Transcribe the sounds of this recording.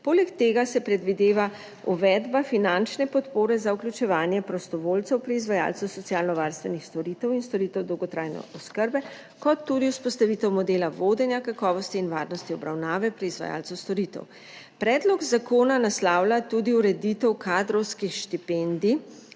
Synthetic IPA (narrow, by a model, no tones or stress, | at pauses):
poːlɛkt̪eːɡasɛpɾɛd̪ʋid̪eːʋa | uʋɛd̪bafinant͡ʃnɛpɔt̪poːɾɛzauklʲut͡ʃɛʋaːnjɛpɾɔst̪ɔʋoːlt̪sɛwpɾiizʋaja̰ːlsɛwsɔt̪sjaːlnɔʋaɾst̪ʋɛnixst̪ɔɾit̪ɛwinst̪ɔɾiːt̪ɛwd̪ɔwɡɔt̪ɾajnɛ̰ɔskəɾbɛ | kɔt̪ːud̪iwspɔst̪aʋiːt̪ɛwmɔd̪eːlaʋod̪ɛnjakakɔːʋɔst̪iːnʋaːɾnɔst̪iɔbɾawnaːʋɛpɾiizʋa̰ja̰ːlsɛst̪ɔɾit̪ɛ̰w | pɾɛːd̪lɔɡzakoːnanaslaːwlat̪uːd̪iuɾɛd̪it̪ɛwkʰad̪ɾɔwskixʃt̪ipɛnd̪i